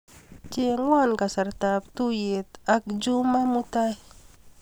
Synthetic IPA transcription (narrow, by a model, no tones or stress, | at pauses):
t͡ʃeŋwankasaɾt̪ap̚t̪ujet̪ak̚d͡ʒumamut̪aj